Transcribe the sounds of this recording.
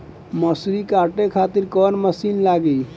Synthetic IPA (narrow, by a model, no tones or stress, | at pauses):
məsɾikaʈekʰat̪iɾkɔnməsinlaɡɛ